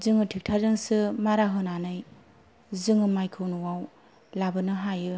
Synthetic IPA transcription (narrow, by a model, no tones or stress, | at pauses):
zɯŋɯtʰik̚tʰazɯŋsɯmaɾaɦɯnanɯj | zɯŋɯmajkʰɯwnɯwaw | labɯnɯɦajɯ